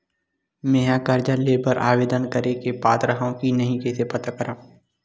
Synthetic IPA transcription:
meːãkəɾd͡ʒaleːbəɾʔa̰ːʋeːd̪ənkəɾekepaːt̪ɾəɦõkinɐɦĩkɛːsepɐt̪akəɾaː

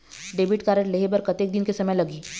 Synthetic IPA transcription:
ɖeːbɪʈkaːɾəʈleɦebɐɾkɐt̪eːk̚d̪ɪnkesɐməjlɐɡiː

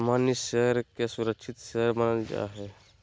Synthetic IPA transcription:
manːiɕeɾkjasuɾəkɕʰit̪ɕəɦɾmənəld͡ʑḛa̰ɦe

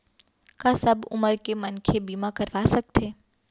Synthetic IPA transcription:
kasɐbʊ̰məɾkemənkʰebiːmakɐɾʋasɐk̚t̪ʰeː

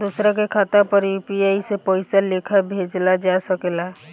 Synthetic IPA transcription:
d̪usɾãkekʰaːt̪ãpəɾjuːpiaːisepɔːɪsalekʰabʱeːd͡ʒlad͡ʒasəkelaː

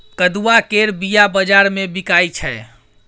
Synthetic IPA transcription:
kəd̪uwakeɾbijabəd͡ʒaɾmebikajt͡ʃʰɛ

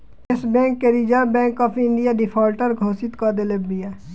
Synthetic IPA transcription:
ɪsbɛ̃ːŋkːeɾid͡ʒabɛ̃ːkɔːpʰɪ̃ɳɖijaɖɪpʰaːlʈəɾɡʱoːsɪt̪kad̪elebːijaː

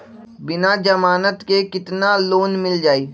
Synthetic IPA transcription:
bɪnad͡ʒəmaːnət̪kekɪt̪naloːnmɪld͡ʒaːiː

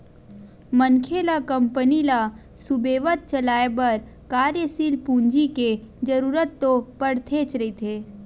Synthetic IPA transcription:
mənkʰeːlakə̃mpənila | sʊbeːʋət̪̚t͡ʃɐlaːebɐɾ | kaːɾjəsiːlpũːnd͡ʒiked͡ʒəɾuːɾət̪ːopəɽt̪ʰeːt͡ʃɾɐit̪ʰeː

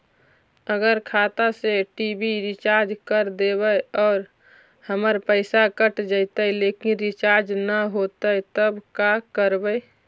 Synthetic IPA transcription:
əɡəɾkʰat̪aseʈibiɾit͡ʃaɾd͡ʒkəɾd̪ebəjɔːɾ | həməɾpəɪsakəʈd͡ʒəjt̪əjlekinɾit͡ʃaɾd͡ʒnəɦot̪ət̪əbkakəɾbəj

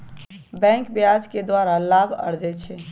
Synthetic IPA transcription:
bɛ̃ːŋkbɪad͡ʒked̪waːɾalaːbʱə̰ɾd͡ʒɛt͡ʃʰɛ

